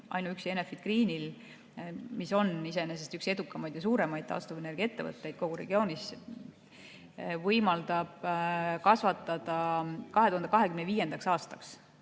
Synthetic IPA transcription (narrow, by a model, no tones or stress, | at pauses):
ʔɑ̰jnuykse̞nefid̪kriːnil | miso̞nise̞nes̬est̪ykse̞d̪ukːˑɑmɑjd̪̥jɑsuːɾe̞mɑjd̪̥̚t̪ɑ̰st̪ovene̞rɡ̥iɑe̞t̪ːevɤ̰t̪ˑːe̞jd̪̥̚ko̞ɡ̥uɾe̞̰ɡ̥io̞ːnʲis | vɤjmɑld̪ɑb̥kɑsvɑt̪ːˑɑd̪̥ɑkɑɦeuhɑnd̪ɑkɑɦe̞kymneviːje̞nd̪̥ɑksɑːst̪ɑks